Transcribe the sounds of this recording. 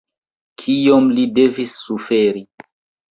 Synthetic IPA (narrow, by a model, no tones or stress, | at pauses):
kʰijomlidevisːufeɾi